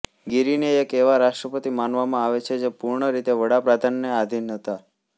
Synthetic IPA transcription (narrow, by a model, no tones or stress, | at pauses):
ɡiɾineekeʋaɾaʃʈɾəpət̪imanʋamãaʋet͡ʃʰed͡ʒepuɾɳəɾit̪eʋəɽapɾad̪ʱanːead̪ʱinɦət̪a